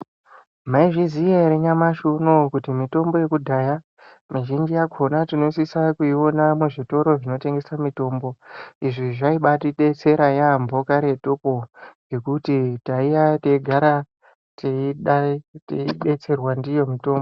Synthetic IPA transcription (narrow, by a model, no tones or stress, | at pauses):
maiʐizijaɾeɲamaʃunokutimito̞mboje̞kudʱaja | maʒind͡ʒijaɡʱʰonatino̞sisakuiwo̞namweʐito̞ɾo̞ʐino̞te̞ŋɡe̞samito̞ːmbo̞iʐiʐaiɓatiɗet͡se̞ɾajambʱo̞kaɾe̞topoŋɡe̞kutitaijateɡʱaɾa | teiɗateiɓe̞t͡se̞rwandijo̞mito̞ːmbo